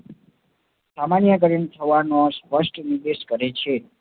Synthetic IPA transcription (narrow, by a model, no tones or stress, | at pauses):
samanjəkəɾint̪ʰəʋanõspəʃʈnid̪eʃkəɾet͡ʃʰe